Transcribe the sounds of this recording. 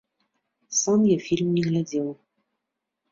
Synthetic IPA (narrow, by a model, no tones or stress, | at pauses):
sãnjɛfilmːĩŋladɛwɔ